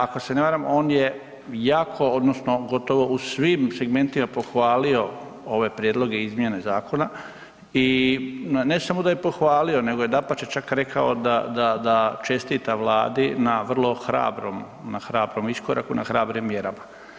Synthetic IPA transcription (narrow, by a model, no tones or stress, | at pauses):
ako̞seneʋaːɾamo̞ːnje̞ | jaːkʰo̞od̪nosno̞ɡo̞t̪o̞ʋo̞ʔusʋiːmse̞ɡme̞nt̪imapo̞xʋaːlio̞ | o̞ʋe̞pɾjeːd̪lo̞ɡe̞izmje̞ne̞zaːko̞na | i | ne̞samo̞d̪ajepo̞xʋaːlio̞ne̞ɡo̞jed̪apat͡ʃet͡ʃakɾe̞kʰaod̪ad̪ad̪at͡ʃe̞st̪it̪aʋlˠa̰ːd̪inaʋr̩lˠo̞xɾa̰ːbɾo̰m | naxɾaːbɾo̞miskoɾʔa̰kunʔa̰xɾaːbɾimːje̞ɾama